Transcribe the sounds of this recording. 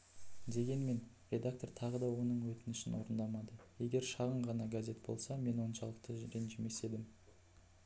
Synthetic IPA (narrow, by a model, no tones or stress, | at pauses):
d̪e̞ɡʲe̞nme̞n | rʲe̞d̪ak̚t̪o̞rt̪ʰɑʁəd̪ɑwo̞nəɴwɵt̪ɪnɪʃɪnwo̞̰ɾənd̪ɑmɑd̪əje̞ɡʲe̞ɾʃɑʁəɴʁɑnɑɡaze̞t̪̚bo̞̰lˠsɑme̞nwo̞nʃɑlˠəq̚t̪əɾenʒeme̞se̞d̪ɪm